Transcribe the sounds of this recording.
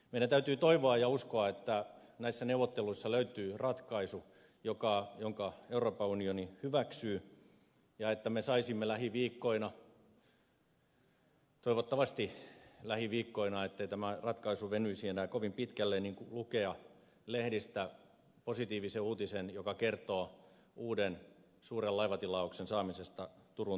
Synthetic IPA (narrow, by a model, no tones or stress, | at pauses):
meidænt̪æyt̪yːt̪oiʋoɑjɑuskoɑet̪ːænæisːæneuʋot̪ːeluisːɑløyt̪yːrɑt̪kɑisu | jokɑjoŋkɑeuroːpɑunionihyʋæksyː | jɑet̪ːæmesɑisimːelæhiʋiːkːoinɑ | t̪oiʋot̪ːɑʋɑst̪ilæhiʋiːkːoinɑet̪ːeit̪æmærɑt̪kɑisuʋenyisienæːkoʋimpit̪kælːenniːŋkulukeɑ | lehɾist̪æ | posit̪iːʋiseuːt̪isenjokɑkert̪oː | uːden | suːrelɑiʋɑt̪ilɑuksensɑːmisest̪ɑt̪uru